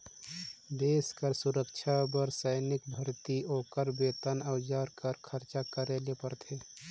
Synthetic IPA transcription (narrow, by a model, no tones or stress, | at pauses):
d̪eːskəɾsʊɾəkt͡ʃʰabəɾsəɪnɪk̚bʱəɾt̪ioːkəɾbeːt̪ənəwd͡ʒaːɾkəɾkʰəɾt͡ʃakəɾeːlepəɾt̪ʰeː